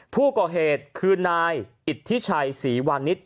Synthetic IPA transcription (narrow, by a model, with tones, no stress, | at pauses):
pʰuː˥˩kɔː˨˩ɦeː˨˩t̪̚kʰɯː˧naː˧jʔi˨˩t̪ʰːi˦˥t͡ɕʰa˧jsiː˩˦waː˧nːi˦˥t̪̚